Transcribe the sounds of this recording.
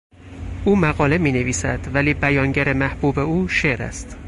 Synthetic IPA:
ʔuːmæɣɒːle̞miːneviːsæd̪̥væliːbæjɒːŋɟæɾe̞mæhb̥uːbe̞uːʃe̞ɾæ̰st̪

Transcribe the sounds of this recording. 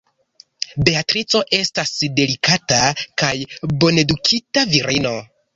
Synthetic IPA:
be̞atɾit͡so̞ʔe̞stasde̞likatakajbo̞ne̞dukʰitaviɾino̞

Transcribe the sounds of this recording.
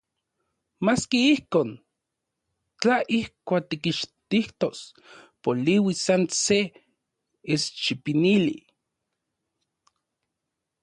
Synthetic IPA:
maːskiihkoːn | t͡ɬaʔihkʷaːk̚t̪ikiʃt̪iht̪os | poliwisanse | est͡ʃipinilḭ

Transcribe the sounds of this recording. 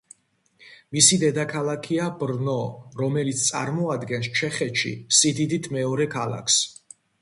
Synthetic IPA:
misid̪ɛd̪akʰalˠakʰiabɾnɔɾɔmɛlit̪st̪sʼa̰ɾmɔad̪ɡɛnst͡ʃʰɛχɛt̪ʃḭsid̪id̪it̪ʰmɛɔɾɛkʰalˠa̰kʰs

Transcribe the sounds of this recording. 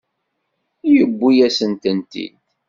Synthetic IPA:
jəbːijæsənt̪ənt̪ḭd̪

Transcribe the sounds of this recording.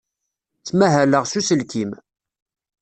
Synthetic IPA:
t͡sːmæɦæləʁsusəlkim

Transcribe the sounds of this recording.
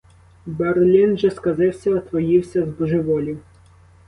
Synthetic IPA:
bɛrlʲinʒɛskɐzɪwsʲɐɐt̪ʋɔjiwsʲɐzbɔʒɪʋɔlʲi

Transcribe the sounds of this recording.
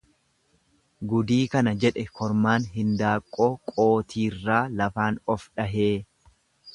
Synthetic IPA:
ɡʊd̪iːkɐnɐd͡ʒɛᶑɛkʰɔɾmaːnɦɪnd̪aːkʼːo̞ːkʼo̞ːt̪iːrːaːlɐfaːnɔfᶑɐɦeː

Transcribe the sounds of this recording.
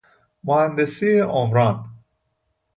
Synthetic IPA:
mohænd̪esieʔomɾɑːn

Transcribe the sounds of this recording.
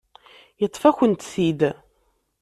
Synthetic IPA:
jət̪ˤːfæçənt̪θid̪

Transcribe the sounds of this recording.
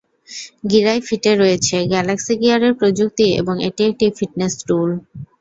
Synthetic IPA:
ɡiɾajfiʈeɾːoet͡ɕʰeɡɛlaksiɡiaɾeɾpɾod͡ʑuk̚t̪iḛboŋḛʈiek̚ʈifiʈnesʈul

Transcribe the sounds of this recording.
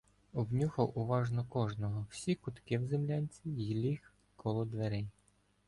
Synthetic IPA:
ɔbnʲuxɔʔʊʋɑʒnɔkɔʒnɔɦɔwsʲikʊt̪kɪwzemlʲɑnʲt͡sʲijilʲix | kɔlˠɔd̪ʋeɾɪj

